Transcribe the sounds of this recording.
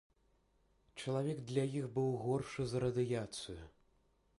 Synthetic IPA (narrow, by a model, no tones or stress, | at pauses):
t͡ʂɐlˠavʲɛɡd̪lʲɐjixbɨwɣɔrʂɨzɐɾɐd̪ɨjat̪sɨju